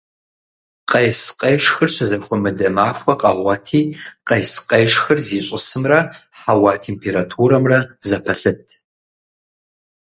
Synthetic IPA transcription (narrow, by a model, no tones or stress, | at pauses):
qɐjsqʼɐjʂxɨrɕɐzɐxʷɔmɨdɐmaːxʷɔqʼɐʁʷɑtʰiːqɐjsqʼɐjʂxɨrziːɕʼɪsɨmrɐħawaːtʰeːmpʰeːɾatʰuːɾɐmrɐzɐpʰɐɬɨtʰ